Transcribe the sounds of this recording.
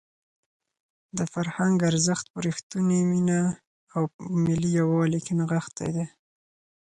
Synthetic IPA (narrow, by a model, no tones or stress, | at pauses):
d̪əfaɾhaŋɡaɾzəxt̪̚pʊɾixt̪uniminaː | wmɪlijawɑlikɪnɣaxt̪a̰jd̪e